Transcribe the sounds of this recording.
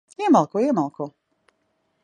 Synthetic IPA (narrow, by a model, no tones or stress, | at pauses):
iɛmalˠkuimalˠku